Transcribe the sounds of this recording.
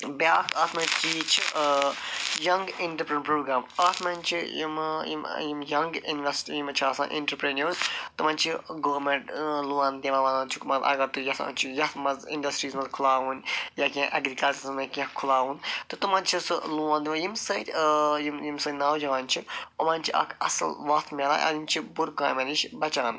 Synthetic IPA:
bjaːkɐt̪mɐ̃t͡ʃit͡ʃʰi | jɐŋɡiɳʈɐɾpɾiɳpɾoːɡɾaːmɐt̪ʰmɐnʲt͡ʃʰijimjḭmjimjɐŋɡḭnʋɐsʈijimt͡ʃʰiɐsã̰ʔḛ̃ɳʈɐɾpɾenoːzt̪umɐnʲt͡ʃʰiɡoːmeɳʈluãnd̪ʲɐʋɐʋanãnt͡ʃʰukmɐzɐ̰ɡɐɾt̪ujɐsɐ̰̃nt͡ʃʰijɐt̪mɐzḭɳɖɐsʈɾiːzmɐzkʰulaːʋunjakʲãʔɐɡɾikɐlt͡ʃɐzmɐ̃kʲãkʰulaːʋunt̪ut̪umãnt͡ʃʰisɨluãːnd̪ʋɐjimsɐjt̪ʲjimjimsɐnaːwd͡ʒaʋaːnʲt͡ʃʰiɐmɐːnʲt͡ʃʰiʔɐ̰kʰɐ̰sɐ̰lʋɐt̪ʰmʲelã̰ʔɐ̰d̪int͡ʃʰibuɾkaːjmɐnit͡ʃʰbɐt͡ʃaːn

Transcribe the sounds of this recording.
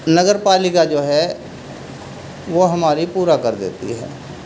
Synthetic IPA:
nəɡəɾpaːlɪkad͡ʒoːɦɛ | ʋoːɦəmaːɾipuːɾakəɾd̪ḛːt̪ḭɦɛ̰ː

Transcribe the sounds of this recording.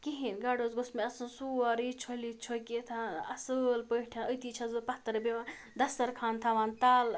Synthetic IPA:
kiɦinɡaːɖozɡosmeɐsɨnsuaɾit͡ʃʰolit͡ʃʰoket̪ʰaɐsəlpəʈʰɐ̃nət̪it͡ʃʰɐzɨpɐht̪ɐɾben | d̪ɐsɐɾkʰaːnt̪ʰaʋaːnt̪aːl

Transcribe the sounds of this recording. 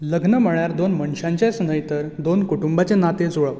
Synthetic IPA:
ləɡnəməɭjaɾd̪onməɳɕãɲt͡ɕasnəjt̪əɾd̪onkuʈumbat͡ɕenat̪ed͡zoɭəʋ

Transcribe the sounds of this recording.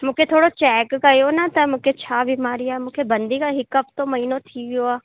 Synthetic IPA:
mʊkʰet̪ʰoːɽot͡ʃɛːkːɐjonat̪ɐmʊkʰet͡ʃʰabimaːɾijamʊkʰebə̃nd̪ikaɦɪkəp̚t̪õmɐiːnõt̪ʰiʋioaː

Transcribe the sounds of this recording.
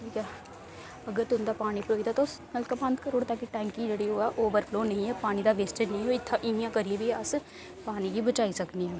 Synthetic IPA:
ʈʰiːkɛː | əɡəɾt̪ʊnd̪aːpaːniːpɾoːid̪aːt̪o | məlkəbə̃nt̪kəɾoːɽt̪aːkiʈɛ̃ːŋkid͡ʒeːɽiːoːɛːʔoːʋəɾpʰloːnəĩːɛːpaːñiːd̪aːʋeːsʈed͡ʒnəɦĩːɦoːɪt̪ʰːãːʔɪjãːkəɾieːbiːəs | paːniːɡiːbət͡ʃaːiːsəkniːɛː

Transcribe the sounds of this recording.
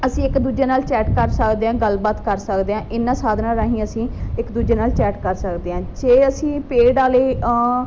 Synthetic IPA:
əsĩːɪkd̪uːd͡ʒeːnaːlt͡ʃɛːʈkəɾsəkd̪eːãːɡəlbaːt̪kəɾsəkd̪eːãːʔɪnːãːsaːd̪naːɾaːɦĩːəsĩːɪkd̪uːd͡ʒeːnaːlt͡ʃɛːʈkəɾsəkd̪eːãːd͡ʒeːəsĩːpeːɖaːleː

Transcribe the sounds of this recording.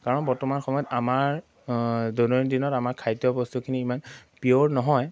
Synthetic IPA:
kaɹɔnbɔɹtɔmanxɔmɔjɔtamaɹ | donɔndinɔtamaɹkʰajtjɔbɔstukʰiniːmanpioɹnɔɦɔj

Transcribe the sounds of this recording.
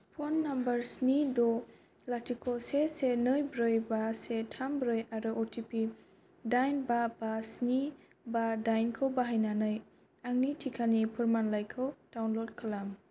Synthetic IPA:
pʰonːambɐɾsnidɔ | latʰikʰosesenɯjbɾɯjbasetʰambɾɯjaɾɯʔotʰipi | dajnbabasni | badajnkʰɯwbaɦajnanɯj | aŋnitʰikʰanipʰɯɾmanlajkʰɯwd̥awnlod̚kʰalam

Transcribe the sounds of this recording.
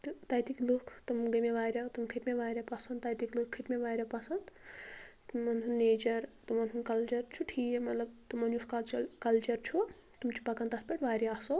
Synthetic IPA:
t̪ɨt̪ɐjt̪iklukʰt̪ɨmɡɐmeʋaːɾʲɐt̪umkʰiʈ̪meʋaːɾʲɐpɐsɐnd̪t̪ɐjt̪iklukʰːiʈ̪meʋaːɾʲɐpɐsɐnd̪ | mːɐnʰunːeːt͡ʃɐɾt̪umɐntʰunkɐlt͡ʃɐɾt͡ʃʰuʈʰiːjemɐt̪lɐbt̪ɨmɐnjuskɐt͡ʃɐkɐlt͡ʃɐɾt͡ʃʰu | t̪umt͡ʃʰi̥pɐkɐnt̪ɐspɐʈʋaːɾiaso

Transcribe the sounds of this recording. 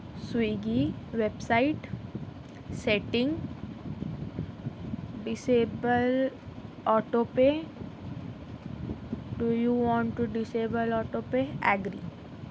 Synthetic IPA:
swiːɡiʋebsaɪʈ | seʈɪ̃ŋɡ | ɖɪsebəl | ɔːʈope | ɖujuːʋɔ̃ːɳʈʈuɖɪseːbəlɔːʈopeɛɡɾḭː

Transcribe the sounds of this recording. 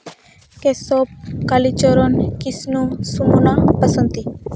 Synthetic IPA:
kesɔp̚kalit͡ʃɔɾonkisnũsumunapəsənt̪i

